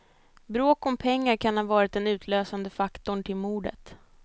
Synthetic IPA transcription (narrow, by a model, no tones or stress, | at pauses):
bɾoːkɔmpʰɛŋːaɾkʰanhaːvɑːɾɪt̪ɛnʉ̟ːt̪ʰløːsand̪əfakt̪ʊɳʈʰɪlmuːɖə̰t̪